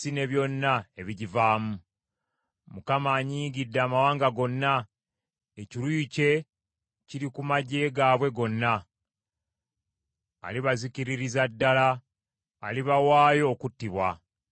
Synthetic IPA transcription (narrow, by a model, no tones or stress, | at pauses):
ine̞βjo̞nːae̞βiɟivaːmu | mukamaːɲiːɡidːaːmawaːŋɡaɡo̞nːa | eciɾujce̞ | ciɾikumaɟe̞ːɡaːβwe̞ɡo̞nːa | liβaziciɾiɾizadːalaː | liβawaːjo̞ːkutːiβwa